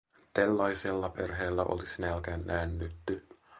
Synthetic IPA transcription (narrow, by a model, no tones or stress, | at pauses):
t̪elːɑiselːɑperɦeːlːæʔo̰lisinælkæːnʔænːyt̪ːy